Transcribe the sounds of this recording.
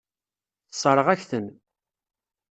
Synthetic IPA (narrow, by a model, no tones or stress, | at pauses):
θə̥sˤɾˤəʁæçθən